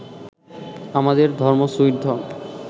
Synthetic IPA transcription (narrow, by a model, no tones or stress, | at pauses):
amad̪eɾd̪ʱɔɾmosujɾd̪ʱɔm